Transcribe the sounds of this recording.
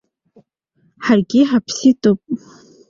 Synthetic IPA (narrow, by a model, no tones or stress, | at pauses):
ħarɡʲɪħapʰsitʼopʼ